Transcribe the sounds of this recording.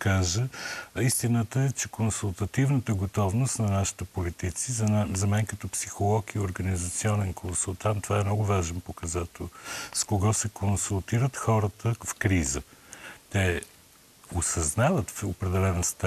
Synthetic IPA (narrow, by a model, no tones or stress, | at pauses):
kaʒəist̪inət̪əɛt͡ʃɛkonsulˠt̪ɐt̪ivnət̪əɡot̪ɔvnʊst̪nɐnaʃi̥t̪əpolit̪it̪sizzɐmɛnkɐt̪ɔpsixolˠɔkiʊɾɡɐnizɐt̪siɔnɛnkʰonsulˠt̪ant̪ːvaɛmnɔɡʊvaʒɛnpokɐzat̪ɛlˠskoɡɔsɛkʰonsulˠt̪iɾət̪xɔɾət̪əfkɾizət̪ɛ | ʊsɐznavət̪fopɾɛd̪ɛlɛnəst̪ɛ